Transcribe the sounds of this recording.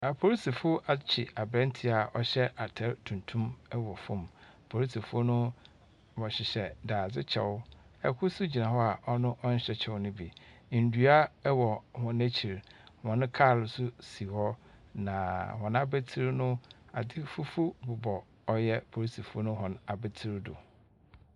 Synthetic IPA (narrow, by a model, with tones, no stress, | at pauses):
a˨pʰo˨ɾi˦si˨fʊ˦ʔa˨t͡ɕʰɪ˨a˨bɾɛ̃˦n̩˦tʰɪ˨˦a˨ɔ̰˦ɕɛ˦ʔa˨tʰɛ˦ɾtʰũ˨ntʰũ˦mɛ˦wɔ˨fʊ̃˦˨m | pʰo˨ɾi˦si˨fʊ˦nʊ̃˦ | wɔ˨ɕɪ˨ɕɛ˨daː˨d͡zɪ˦t͡ɕʰɛ̰˨wʊ˦ | ɛ˨kʰʊ˦sʊ˦d͡ʑi˨nã˨hɔ˦a˨ʔɔ˦nʊ̃˦ʔɔ˦n̩˦ɕɛ˦t͡ɕʰɛ˨ʊ˦nʊ̃˦bi˨ | n̩˨du˨˦a˦wɔ˨hɔ̃˨næ˦t͡ɕʰi˨ɾhɔ̃˨nʊ̃˦kʰaː˦˨lʊ˨sʊ˦si˨hɔ˦ | nã˨hɔ̃˨na˦be˦tʰi˦ɾnʊ̃˦a̰˨dɪ˦fu˦fu˦bʊ˨bɔ˨ | ɔ˦jɛ˦pʰo˨ɾi˦sʰi˨fu˦o˦nʊ̃˦ɦɔ̃˨na˨bɛ˦tʰi˦ɾdʊ̰˨